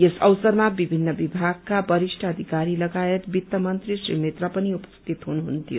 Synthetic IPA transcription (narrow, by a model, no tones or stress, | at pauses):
jesʌwsʌrmabibʱinːʌbibʱaɡ̚kabʌɾisʈʰʌːd̪ʱikaɾilʌɡajet̪bit̪ːʌmʌnt̪risrimet̪rʌpʌniupʌ̥st̪it̪ɦunuɦunt̪ijo